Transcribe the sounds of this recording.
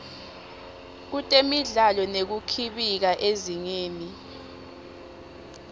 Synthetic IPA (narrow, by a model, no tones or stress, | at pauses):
k̬utʼemiɮalɔnek̬ukʰiɓik̬aʔeziŋeːni